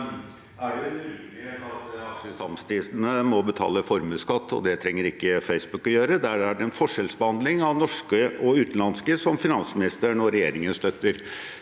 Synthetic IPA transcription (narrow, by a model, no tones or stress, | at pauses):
ʔæɖɛʉɪeːt̪ɑt̪ɑkʂəsɑmst̪ʰiːsnəmɔbət̪ʰɑ̰ːləfɔɾməskɑt̪ːɔ̰d̪ɛt̪ʰɾɛŋːəɾɪkːəfeɪsbʉkɔjøːɾəd̪ææɖɛɛnfɔʂɛlsbəhɑnd̪lɪŋɑʋnɔʂkəʔɔʉːt̪n̩lɑnskəsɔmfɪnɑnsmɪnɪst̪əɳɔɾɛjeːɾɪŋənst̪œt̪ːəɾ